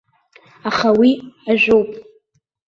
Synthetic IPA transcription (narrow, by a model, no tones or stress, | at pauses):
aχawiaʒʷᶣowpʼ